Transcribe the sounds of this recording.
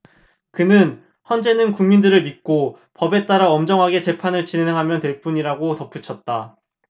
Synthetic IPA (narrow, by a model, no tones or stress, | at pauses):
kɯnɯn | çjʌnd͡ʑe̞nɯnkuŋmindɯɾɯɭmit̚k͈o | pʌbe̞t͈aɾaʌmd͡ʑʌŋɦaɡe̞t͡ɕe̞pʰanɯɭt͡ɕine̞ŋɦamjʌntwe̞ɭp͈uɲiɾaɡotʌp͈ʰut͡ɕʰʌt̚t͈a